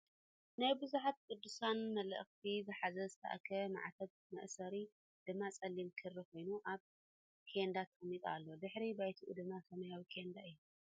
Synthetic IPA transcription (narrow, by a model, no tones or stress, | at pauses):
najbɨzuħat̪̚kʼɨd̪ːusanmɐlə̰ʔxt̪ʰizɨħazɐzɨt̪ʰɐ̰ʔa̰kʰɐma̰ʕat̪ʰɐβ | mɐ̰ʔsɐɾi | d̪̥ɨmːat͡sʼɐlimkʰɨriko̞jnuʔaβ | kʰend̪at̪ʰɨmit̪ʼa̰lːo̞d̪ɨħɾibajt̪ʰuʔṵd̪ɨmːasʰɐmɐjawikʰend̪aɨjːu